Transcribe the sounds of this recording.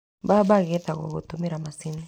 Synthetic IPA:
babaketako̰kotomiɾamasini

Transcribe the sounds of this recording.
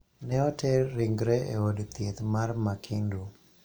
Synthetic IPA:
nɛɔtʰɛɾɪŋɡɾɛʔḛodt̪jet̪marmakʰindu

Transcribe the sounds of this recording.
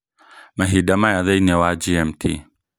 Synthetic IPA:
maɦidamajaðajnewaːd͡ʒiɛmtʰḭ

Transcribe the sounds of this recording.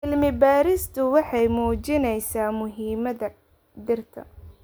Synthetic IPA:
ɪlmɪbaːɾɪst̪ʰʊwɑħɑjmuːt͡ʃɪnɛjsaːmʊɦiːmɐðɐ | d̪ɪrt̪ʰɐ̰

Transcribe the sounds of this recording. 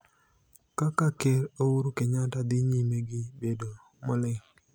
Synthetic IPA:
kakakeɾouɾukeɲatad̪ɪɲimeɡɪbedo | mɔlɪŋ

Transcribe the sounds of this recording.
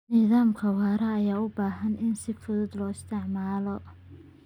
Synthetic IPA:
nɪðaːmkʰɐwaːɾɐːjaːʊbaːɦɐnʔɪnsɪfʊðud̪lɔːɪst̪ʰɪʕmaːlɔ

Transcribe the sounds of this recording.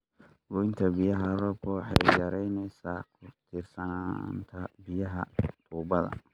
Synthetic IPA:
bʊɪnt̪ʰɐbɪjɐɦɐrɔb̚kʰɔwɑħɑjjɐɾɛjnɛjsaːkʰʊt̪ʰɪrsɐna̰ːnt̪ʰɐbɪjɐɦɐ̰t̪ʰuːbɐðɐ̰

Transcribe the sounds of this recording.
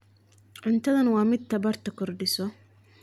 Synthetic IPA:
ʕʊnt̪ʰɐðɐnwɑːmɪd̪̚t̪ʰɐβɐrt̪ʰɐkʰɔrɖɪsɔ

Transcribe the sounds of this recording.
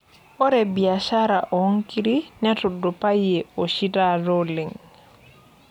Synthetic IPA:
ɔɾɛbiaʃaɾaʔɔŋkiɾiɲatɔdɔpajɛoʃitaɾoliŋ

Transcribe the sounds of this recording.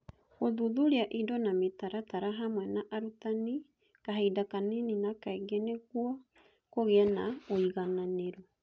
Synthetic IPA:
ɣoðuðuɾeaʔidɔnametaɾataɾaɦamwɛnaʔaɾutani | kaɦedakaneninakaeɡɛneɣuɔ | koɣeanaoiɣananeɾu

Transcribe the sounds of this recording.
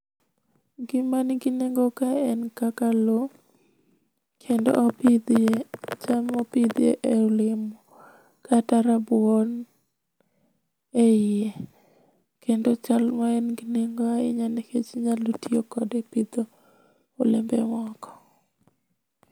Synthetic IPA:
ɡɪmanɡineŋɡokaɛnkakalo | kʰendo̰ʔpid̪ | t͡ʃalmopid̪ḛʔeolɪmo | kataɾabʊon | ee | kʰendot͡ʃalmaɛnɡineŋɡoaɪ̰ɲaneket͡ʃɲalutiokɔdepid̪o | olɪmbɛmɔkɔ̥

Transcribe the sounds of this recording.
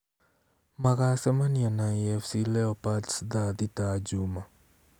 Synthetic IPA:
maɣasɛmanianaiɛfsilɛɔpatsd̪ad̪itad͡ʒuma

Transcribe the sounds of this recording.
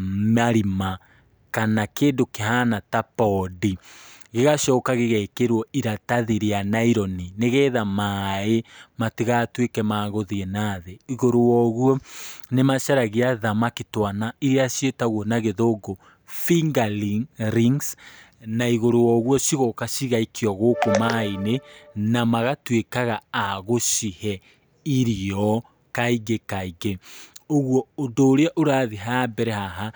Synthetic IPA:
maɾima | kanakeːndokeɦanatapɔdiɣeɣaʃɔːkaɣeɣɛkeɾwɔiɾataðiɾeanaiɾɔnineɣɛːðamaːematiɣatwekɛmaːɣoðiɛnaːðeiɣoɾowɔɣwɔnemaʃaɾaɣeaðamaketwanaiɾeaʃjetaɣwɔnaɣeðoɡo | fiŋɡalɾiŋs | naiɣoɾowɔɣuɔʃiɣokaʃiɣaikʰiɔɣokomainenamaɣatwekaɣaaɣoʃihɛ | iɾiɔ | kaiɡekaiɡeoɣwɔondoːɾeaʔoɾaːðiɦabɛɾɛhaɦa

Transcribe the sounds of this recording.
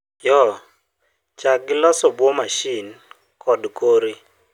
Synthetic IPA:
jɔ | t͡ʃak̚ːɪlɔsɔbwomaʃin | kʰɔdkoɾi

